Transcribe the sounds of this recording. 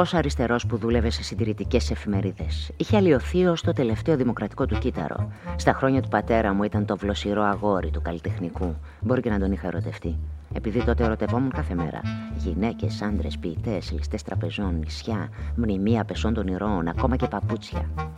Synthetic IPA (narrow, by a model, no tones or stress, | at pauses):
o̞sɐɾist̪e̞ɾo̞spuðule̞ve̞se̞sind̪iɾit̪ice̞se̞fime̞ɾiðe̞siçe̞ɐlio̞θio̞st̪ot̪e̞le̞ft̪e̞oðimo̞kɾɐt̪i̥ko̞t̪ucit̪ɐ̰ɾo̞̰st̪ɐxɾo̞ɲɐt̪upɐt̪e̞ɾɐmuit̪ɐnt̪o̞vlo̞siɾo̞ɐɣo̞ɾit̪ukɐlit̪e̞xniku | bo̞ɾicenɐnd̪o̞nixɐeɾo̞t̪e̞ft̪ie̞piðit̪o̞t̪e̞eɾo̞t̪e̞vo̞muŋkɐθeme̞̰ɾɐ̰ʝine̞ce̞sɐnd̪ɾe̞spiːt̪e̞selist̪e̞st̪ɾɐpe̞zo̞nːisçɐmnimiɐpe̞so̞nd̪o̞niɾo̞nɐ̰ko̞mɐce̞pɐput͡sçɐ̰